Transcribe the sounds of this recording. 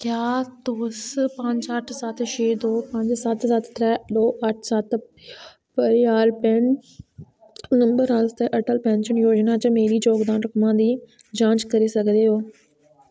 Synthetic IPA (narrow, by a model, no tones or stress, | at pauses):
kjaːt̪oːspɐ̃ːɲd͡ʑɐʈʰsat̪ʰʃeːd̪oːpɐ̃ɲd͡ʑsat̪ʰsat̪ʰt̪ɾɛɗ̪oːʔɐʈʰsat̪ʰ | pɐɾɪjaːlpen | nɐ̃mbəɾɦaːlst̪eʔɐʈʰəlpɛ̃ːnʃənjoːd͡ʒnãt͡ɕɐmeːɾid͡ʒoːɡd̪aːnɾʊkmãd̪iː | d͡ʑãːt͡ʃkɐɾesɐɡʱə̃d̪eɦoː